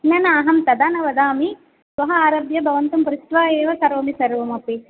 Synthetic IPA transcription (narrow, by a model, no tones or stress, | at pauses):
nɐnɐːɦɐmt̪ɐd̪aːnɐʋɐd̪aːmi | sʋɐɦɐaːɾɐːbjɐbʱɐʋɐnt̪ɐmpɾut̪ʋaːeːʋɐsɐɾoːmisɐɾʋɐmɐpi